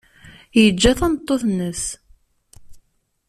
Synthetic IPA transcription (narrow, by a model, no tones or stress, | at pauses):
jəd͡ʒːæθænət̪ˤːoθnəs